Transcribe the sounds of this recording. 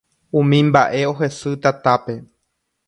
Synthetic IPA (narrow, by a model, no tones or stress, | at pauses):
ũmĩmba̰ʔe̞o̞ɦe̞sɨt̪at̪ape̞